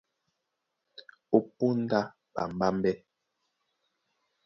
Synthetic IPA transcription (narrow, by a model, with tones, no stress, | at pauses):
o˦pu˦n̩˦da˦ | ba̰˨m˨ba˦m˦bɛ˦